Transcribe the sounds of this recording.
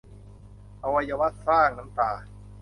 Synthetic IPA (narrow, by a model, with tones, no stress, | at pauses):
ʔa˧wa˧jaː˧wa˦˥t̪̚saː˥˩ŋna˨˦˥mt̪aː˨˩